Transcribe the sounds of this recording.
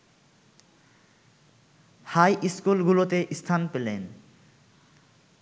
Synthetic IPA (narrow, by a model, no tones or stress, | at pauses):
hajʔiskulɡulot̪eʔist̪ʰanpelen